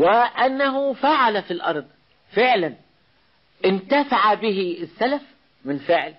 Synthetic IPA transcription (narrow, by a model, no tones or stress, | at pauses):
wɪʔanːaɦʊfaʕalafilʔɑ̰ɾˤd̪ˤ | fɪʕlan | ʔɪnt̪afaʕabɪɦɪɪsːalaf | mɪnfɪʕl